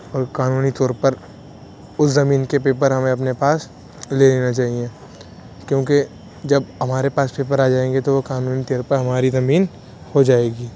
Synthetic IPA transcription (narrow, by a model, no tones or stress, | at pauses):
ɔːɾkaːnuːnit̪ɔːɾpəɾ | ʊszɐmiːnkepeːpəɾɦɐmẽɐpnepaːs | leleːnat͡ʃaːɦiẽː | kjõːke | d͡ʒɐbɦɐmaːɾepaːspeːp̬əɾaːd͡ʒaːẽːŋɡet̪oʋokaːnuːnit̪eɾpəɾɦɐmaːɾizɐmiːn | hod͡ʒaːeːɡiː